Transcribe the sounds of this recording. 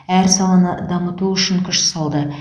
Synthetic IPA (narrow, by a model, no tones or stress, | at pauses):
æɾsɑlɑnəd̪ɑmət̪uʏʃɪŋkʲʰʏʃsɑlˠd̪ə